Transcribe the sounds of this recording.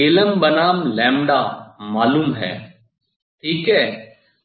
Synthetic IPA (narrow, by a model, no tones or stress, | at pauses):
eːləmbənaːmlɛ̃ːmɖaːmaːluːmɦɛ̰ː | ʈʰiːkɦɛː